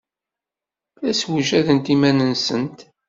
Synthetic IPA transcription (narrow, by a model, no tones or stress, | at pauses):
θæswʒæðənt̪imænənsənt̪